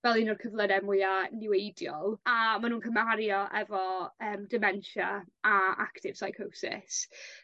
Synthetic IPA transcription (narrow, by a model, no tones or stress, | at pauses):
vɛlˠɪnɔrkʰəvlˠədɛmʊanɪwejdjɔlˠamanũːnkʰəmaɾjɔʔɛvɔəːmdɪmɛnʃaaa̰ktʰɪv̥sajkʰowsɪ̰s